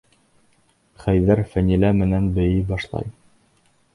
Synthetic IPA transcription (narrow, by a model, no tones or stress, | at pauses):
χæjðæɾfænilæmɘ̆nænbɘ̆jɘbɑʃlˠɑ̰j